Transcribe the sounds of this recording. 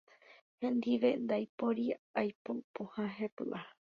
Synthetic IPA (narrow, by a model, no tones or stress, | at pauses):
hẽnd̪iʋend̪ajpoɾiajpopohãɦepɨ̰ʔa